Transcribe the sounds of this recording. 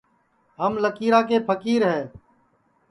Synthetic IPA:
ɦəmləkiːɾaːk̬eːpʰəkiːɾɦɛː

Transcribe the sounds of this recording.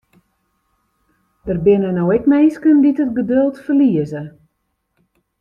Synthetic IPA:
dərbɪnənowɛkmejskənditət̚ɡədølˠtfərliəzə

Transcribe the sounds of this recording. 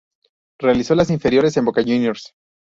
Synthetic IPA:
re̞aliso̞las̬iɱfe̞ɾjo̞ɾe̞s̬e̞mbokaʝunjoɾs

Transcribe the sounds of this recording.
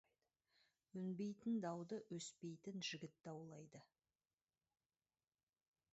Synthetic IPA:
wɵnbe̞jt̪ɪnd̪ɑwd̪əwɵspe̞jt̪ɪnʒɪɡʲɪt̪ːɑwlˠɑjd̪ə

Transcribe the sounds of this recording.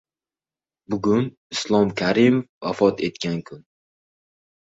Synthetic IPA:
bʊɡʲʊn | ɪslˠɒmkʲʰaɾimofvafɒt̪ʰe̞t̪kʲaŋkʰʊn

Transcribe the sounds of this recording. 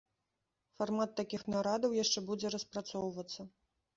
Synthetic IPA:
farmat̪ːakʲixnaɾad̪ɐwjaʂt͡ʂɛbud͡zʲɛɾɐspɾat̪sɔwvɐt̪sːɐ

